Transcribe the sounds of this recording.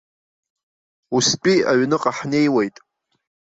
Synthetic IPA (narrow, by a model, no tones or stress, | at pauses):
uspʼiaɥnɨqʼaħnejwejtʼ